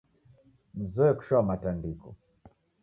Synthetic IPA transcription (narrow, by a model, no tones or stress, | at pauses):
m̩zɔɛku̥ʃɔamatandikɔ̰